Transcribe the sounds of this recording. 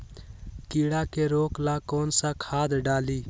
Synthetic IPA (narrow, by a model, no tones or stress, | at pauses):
kiːɽaːkeɾoːklaːkoːnsakʰaːd̪ɖaːliː